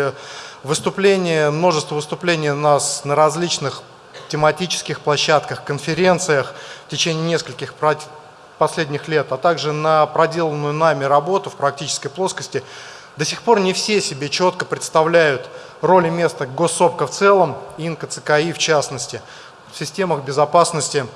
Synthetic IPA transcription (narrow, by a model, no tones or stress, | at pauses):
vɨst̪ʊplʲenʲɪjəmno̞ʐɨst̪vəvɨst̪ʊplʲenʲɪjʊnasnəɾɐzʲlʲit͡ɕnɨx | tʲɪmɐtʲit͡ɕɪ̥skʲɪxplˠɐɕːæt̪kəxkənfʲɪɾʲe̞nt̪sɨjəxftʲɪt͡ɕenʲɪːnʲe̞skəlʲkʲɪxp | pɐsʲlʲedʲnʲɪxlʲe̞t̪at̪aɡʐɨnəpɾɐdʲelˠənːʊjʊnamʲɪɾɐbo̞t̪ʊfpɾɐk̚tʲit͡ɕɪ̥skəjplˠo̞skəsʲtʲɪ | d̪əsʲɪxpo̞rnʲɪfsʲesʲɪbʲet͡ɕo̞t̪kəpɾʲɪt̪st̪ɐvlʲæjʊt̪ | ro̞lʲɪmʲe̞st̪əɡo̞sːo̞pkəft̪sɛlˠəminkət̪sɨkɐift͡ɕasnəsʲtʲɪ | fsʲɪsʲtʲe̞məxbʲɪzɐpasnəsʲtʲɪ